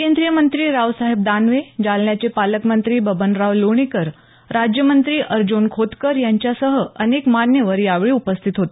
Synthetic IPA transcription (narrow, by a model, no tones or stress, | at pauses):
kend̪ɾijəmənt̪ɾiːɾaʋsaɦeb̚d̪anʋed͡zalɳjat͡sepaləkmənt̪ɾiːbəbənɾaʋloɳ̃ikəɾ | ɾad͡ʑjəmənt̪ɾiːʔəɾd͡ʑunkʰot̪kəɾjaɲt͡ɕjasəɦəənekmanjəʋəɾiːaʋɭiːupəst̪ʰit̪ɦot̪e